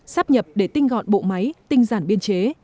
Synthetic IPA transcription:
saː˦˥p̚ɲə˨˩p̚ɗe˧˩t̪ï˧ŋ̟ɣɔ̰˧˨nɓo̰˧˨ma˨˦jt̪ï˧ŋ̟zaː˧˩nɓi˧ənt͡ɕe˨˦

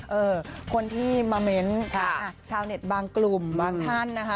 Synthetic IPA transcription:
ʔɤː˧kʰo˧nt̪ʰiː˥˩maː˧me˦˥nt͡ɕʰa˥˩ʔa˧˩t͡ɕʰaː˧wne˨˩t̪̚baː˧ŋklu˨˩mbaː˧ŋtʰa˥˩nːa˦˥kʰa˦˥

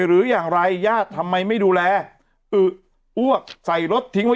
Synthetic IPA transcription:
ɾɯː˨˩˦jaː˨˩ŋɾa˧jːaː˥˩t̪ʰːa˧mːa˧jma˥˩jduː˧lɛː˧ | ʔɯ˨˩ | ʔu˥˩ək̚sa˨˩jɾo˦˥t̪ʰːi˦˥ŋwa˦˥

